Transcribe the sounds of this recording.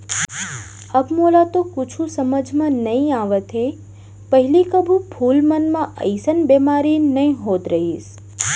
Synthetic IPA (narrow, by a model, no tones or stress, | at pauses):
əbmoːlat̪okʊt͡ʃʰũsəməd͡ʒʱmãnəɦĩaːʋət̪ɦe | pəɦɪlikəbʱũpʰuːlmənmãʔə̰ɪsənbemaːɾinəɦĩɦoːt̪ɾəɦiːs